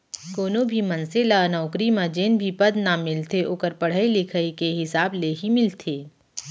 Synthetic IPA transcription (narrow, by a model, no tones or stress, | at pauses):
koːnobʱimɐnselanɔːkɾimãd͡ʒeːnbʱipɐd̪namɪlt̪ʰeʔoːkəɾpɐɽ̤ailɪkʰəikeɦɪsaːbleːɦimɪlt̪ʰeː